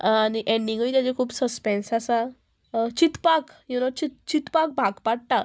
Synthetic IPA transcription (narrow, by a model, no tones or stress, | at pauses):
aniʔɛ̃ɳɖĩŋɡit̪jat͡ɕekʰuːbsəspɛ̃nsasa | t͡ɕit̪pakjunət͡ɕit̪̚t͡ɕit̪pak̚bʱaɡpaɽʈ̪a